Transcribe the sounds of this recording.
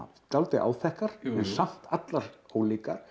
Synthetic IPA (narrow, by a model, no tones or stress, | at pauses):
t̪alt̪ɪʔa̰ːwθɛhkaɾ̥ɛnsam̥t̪at̪laɾhoːwlika̰ɾ̥